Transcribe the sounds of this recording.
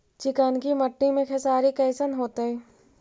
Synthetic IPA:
t͡ʃɪkaːnkiməʈːimẽkʰesaːɾikɐːɪsənɦoːt̪eɦɛː

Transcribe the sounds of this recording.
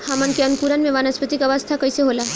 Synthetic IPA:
hamənkeɐnukuɾənmẽʋaːnəspət̪ikɐʋəst̪ʰakəjseɦola

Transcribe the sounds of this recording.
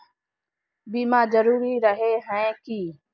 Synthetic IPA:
biːmãːd͡ʒəɾuːɾiːɾəɦeːɦɛ̃ːkiː

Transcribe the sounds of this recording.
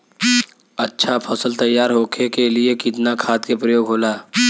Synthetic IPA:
ɐtːʃʰapʰəsəlt̪ɐjːaːɾɦoːkʰekeliekɪt̪nakʰaːt̪kepɾəjoːɡɦoːlaː

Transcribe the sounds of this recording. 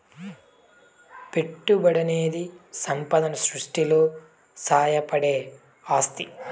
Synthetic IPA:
peʈːubɐɽɐneːd̪isɐmpɐd̪ɐnɐsɾuʂʈilo̞ː | saːjɐpɐɽe̞ː | aːst̪i

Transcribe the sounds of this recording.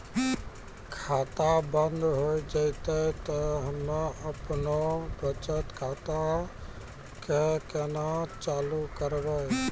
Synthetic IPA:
kʰat̪abənd̪ʱɦojd͡ʒəɪt̪əjt̪əɦəmnaʔəpnobət͡ʃət̪kʰat̪a | kekenat͡ʃalukəɾbəj

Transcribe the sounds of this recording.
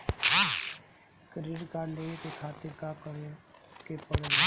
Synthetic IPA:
kɾɪɾkaːleːet̪ekʰaːt̪ɪɾkaːkəɽẽkepəɽe

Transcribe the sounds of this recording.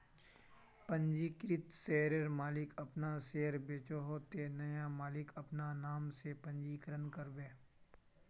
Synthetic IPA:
pə̃ɲd͡ʒiːkɾɪt̪seːɾəɾmaːlɪkɐpnaseːɾbeːt͡ʃoɦot̪enɐjamaːlɪkɐpnanaːmsepə̃ɲd͡ʒiːkəɾənkəɾbẽː

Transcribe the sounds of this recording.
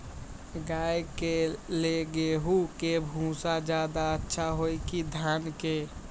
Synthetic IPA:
ɡaːjkeleɡeɦukebʱũsad͡ʒaːd̪aətːʃʰaɦoikid̪ʱaːnke

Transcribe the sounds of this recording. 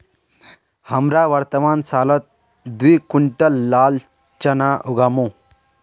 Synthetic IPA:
hɐmɾaʋɐɾt̪əmansalət̪̚ | d̪ʋikuɳʈəlːal | t͡ɕɐnaʔuɡamu

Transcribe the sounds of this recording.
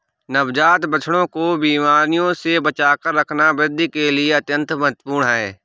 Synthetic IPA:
nəbd͡ʒaːt̪bət͡ʃʰɽ̃õkobiːmaːɾnijõsebət͡ʃaːkəɾːəkʰnabɾɪd̪ʱikelɪeɐt̪jə̃nt̪məɦət̪əpuːɾɳɦɛː

